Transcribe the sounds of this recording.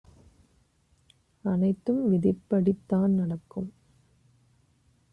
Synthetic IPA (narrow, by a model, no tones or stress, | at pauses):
ɐnɐɪt̪ːɯmʋɪðɪpːɐɽɪt̪ːaːnnɐɽɐkːɯm